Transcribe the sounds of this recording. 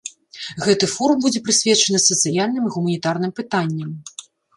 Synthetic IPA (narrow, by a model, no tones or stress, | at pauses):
ɣɛt̪ɨfɔɾumbud͡zʲɛpɾɨsʲvʲɛt͡ʂɐnɨsɐt̪sɨjalʲnɨmiɣumɐnʲit̪arnɨmpɨt̪anʲːɐm